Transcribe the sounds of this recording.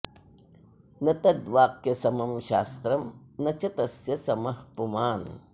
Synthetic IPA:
nɐt̪ɐd̪ʋaːkːesɐmɐmʃaːst̪ɾɐmnɐt͡ʃɐt̪ɐsjɐsɐmɐhpumaːn

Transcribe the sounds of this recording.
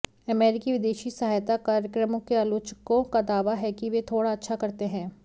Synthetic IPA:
ɐmɛːɾɪkiʋɪd̪eːʃisɐɦaːjt̪akaːɾjəkɾəmʊ̃kːealoːt͡ʃəkõkad̪aːʋaɦɛkiʋet̪ʰoːɽaɐtːʃʰakɐɾt̪eɦɛ̃ː

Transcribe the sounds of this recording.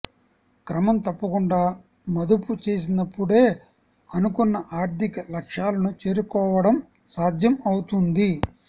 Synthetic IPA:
kɾɐmɐmt̪ɐpːɐkuɳɖaː | mɐd̪uput͡ʃe̞ːs̬inɐpːuɽe̞ː | ɐnukunːɐʔaːɾt̪ikɐlɐkʂjaːlɐnut͡ʃe̞ːɾukɔːʋɐɽɐm | saːd̪jɐmɐwut̪und̪i

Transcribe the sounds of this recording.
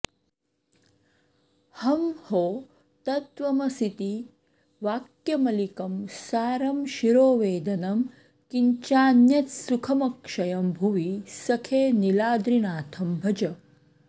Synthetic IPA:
hɐmhoː | t̪ɐt̪ʋɐmɐsit̪i | ʋaːkjɐmɐlikɐmsaːɾɐmʃiɾoːʋeːd̪ɐnɐm | kiɲt͡ʃaːnjɐt̪sukʰɐmɐkʂɐjɐmbʱuʋisɐkʰeːnilaːd̪ɾinaːt̪ʰɐmbʱɐd͡ʒɐ

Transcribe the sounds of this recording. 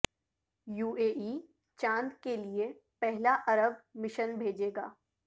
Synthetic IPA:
juːeːʔiː | t͡ʃãːnd̪kelie | pɛɦlaʔɐɾəb̚mɪʃənbʱeːd͡ʒeːɡaː

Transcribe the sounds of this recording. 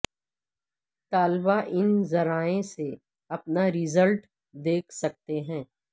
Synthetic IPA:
t̪aːlbaʔɪnzɐɾaːẽse | ɐpnaɾɪzəlʈ | d̪eːkʰsɐk̚t̪eɦɛ̃ː

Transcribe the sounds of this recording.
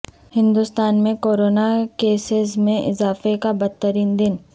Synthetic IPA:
hɪ̃nd̪ʊst̪aːnmẽkoːɾoːnakeːsɪzmẽʔɪzaːfekabɐd̪̚ːəɾiːnd̪ɪn

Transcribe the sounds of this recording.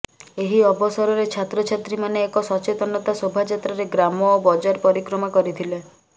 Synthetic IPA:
eɦiɔbɔsɔɾɔɾet͡ʃʰat̪ɾɔt͡ʃʰat̪ɾimaneːkɔsɔt͡ʃet̪ɔnɔt̪asobʱad͡ʒat̪ɾaɾeɡɾamɔːbɔd͡ʒaɾpɔɾikɾɔmakɔɾit̪ʰile

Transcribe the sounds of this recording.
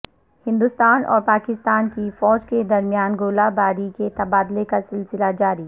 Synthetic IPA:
hɪ̃nd̪ʊst̪aːnʔɔ̰ːɾpaːkɪst̪aːnkifɔːd͡ʒked̪ɐɾmjaːnɡoːlabaːɾiket̪ɐbaːd̪lekasɪlsɪlad͡ʒaːɾiː

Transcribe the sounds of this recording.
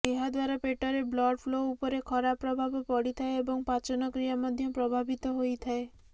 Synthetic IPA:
eɦad̪waɾapeʈɔɾeblɔɖpʰloupɔɾekʰɔɾapɾɔbʱabɔpɔɽit̪ʰaeebɔŋpat͡ʃɔnɔkɾijamɔd̪ʱjɔpɾɔbʱabit̪ɔɦojt̪ʰae

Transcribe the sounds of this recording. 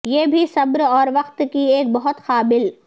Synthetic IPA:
jeːbʱisɐbɾɔːɾʋɐqt̪kieːk̚bɐɦʊt̪xaːbɪl

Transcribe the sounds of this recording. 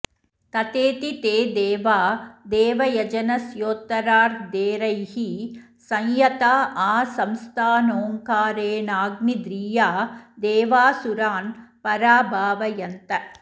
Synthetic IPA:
t̪ɐt̪eːt̪it̪eːd̪eːʋaːd̪eːʋɐjɐd͡ʒɐnɐsjoːt̪ɐɾaːɾd̪eːɾɐjhi | sɐŋjɐt̪aːʔaːsɐmst̪ʰaːnoːŋkaːɾeːnaːɡnid̪ɾiːjaːd̪eːʋaːsuɾaːnpɐɾaːbʱaːʋɐjɐnt̪ɐ

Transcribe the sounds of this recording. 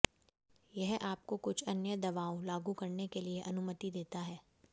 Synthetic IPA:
jɛɦʔaːp̚kokʊt͡ʃʰɐnjəd̪ɐʋaːolaːɡukɐɾnekelieʔɐnʊmət̪id̪eːt̪aɦɛː

